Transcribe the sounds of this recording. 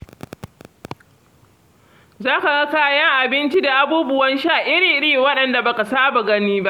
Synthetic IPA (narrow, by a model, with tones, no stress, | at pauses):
zaː˦ka˨ɡa˦kaː˦jɐ˦ŋʔa˨bɪ˦nt͡ʃi˦da˨ʔa˨buː˦bʊ˦wɐ˦nʃaː˦˨ʔɪ˦ɽiː˨ɾiː˨wɐ˦ɗɐ˨nda˨bɐ˨ka˨saː˦ba˨ɡɐ˦niː˦ba˦ʔ